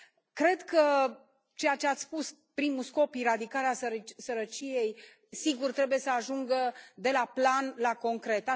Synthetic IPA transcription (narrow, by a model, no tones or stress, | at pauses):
kɾe̞d̪kə | t͡ʃe̞jat͡ʃe̞at̪sspus | pɾimusko̞piɾad̪ikaɾeasəɾsəɾət͡ʃije̞j | siɡurt̪ɾe̞buje̞səaʒuŋɡəd̪e̞laplanlako̞ŋkɾe̞t̪a